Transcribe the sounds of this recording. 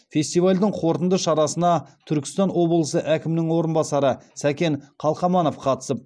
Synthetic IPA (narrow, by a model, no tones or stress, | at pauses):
fʲe̞st̪ijvɑlʲd̪əɴqʰo̞ɾt̪ənd̪əʃɑɾɑsənɑt̪ʰʏɾkʲɪ̥st̪ɑnwo̞blˠəsəʔækʲɪmɪnɪŋwo̞ɾənbɑsɑɾəsækʲe̞ɴqʰɑlˠqɑmɑno̞fqʰɑt̪ə̥səp̚